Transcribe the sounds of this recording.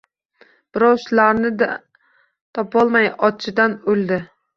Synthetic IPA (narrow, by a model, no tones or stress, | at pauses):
b̥ɪɾɒwʃlaɾnɪd̪a | t̪ʰɒpɒlˠmajɒt͡ʃʰɪd̪anɵlˠd̪ɪ